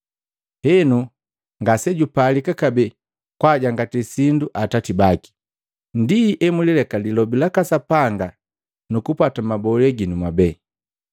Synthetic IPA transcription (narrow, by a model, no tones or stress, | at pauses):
hɛnu | ŋɡasɛɟupalikakabɛ | kwaɟaŋɡatisinduʔatatibaki̥ | ndiʔɛmulilɛkalilɔbilakasapaŋɡa | nukupwatamabɔlɛɡinumwabɛː